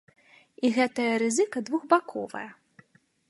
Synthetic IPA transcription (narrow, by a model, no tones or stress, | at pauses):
iɣɛt̪ɐjɐɾɨzɨkɐd̪vuɣbakʰɔ̰vɐ̰jɐ